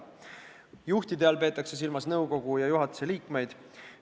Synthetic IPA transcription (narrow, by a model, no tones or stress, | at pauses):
juht̪id̪eɑlpe̞ːt̪ːˑɑkse̞s̬ilmɑsnɤwko̞ɡ̥ujɑjuɦɑt̪u̥se̞liːkme̞jd̪̥